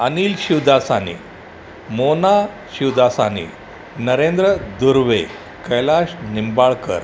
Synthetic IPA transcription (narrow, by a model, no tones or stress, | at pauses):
əniːlɕiwd̪asanḭ | mona | ɕiwd̪ʱasanḭ | nəɾẽnd̪ɾəd̪uɾʋe | kəjlaɕnimbaɭkə̰ɾ